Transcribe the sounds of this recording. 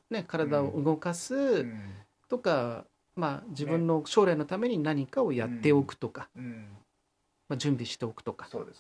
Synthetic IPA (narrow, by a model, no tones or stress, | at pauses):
ne̞kaɾad̪ao̞ʔɯ̟ɡo̞kasɨ | t̪o̞ka | mad͡ʑibɯ̟̃nːo̞ɕo̞ːɾaino̞t̪ame̞ɲ̟inaɲ̟ikao̞jat̪ːe̞o̞kɯ̟̥t̪o̞kḁ | mad͡ʑɨ̃mbʲiɕi̥t̪e̞o̞kɯ̟̥t̪o̞kḁod̪e